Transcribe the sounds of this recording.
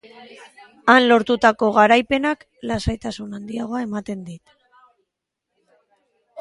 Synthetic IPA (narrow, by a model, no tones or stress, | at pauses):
anlo̞ɾt̪ut̪ako̞ɣaɾajpe̞nak | lasajt̪asunand̪iaɣ̞o̞ae̞mat̪e̞nd̪it̪